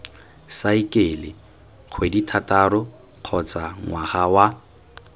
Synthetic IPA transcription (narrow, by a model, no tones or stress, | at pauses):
saikʼelɪ | q͡χʰweditʰatʼaɾʊ | q͡χʰɔt͡sʼaŋwaχawa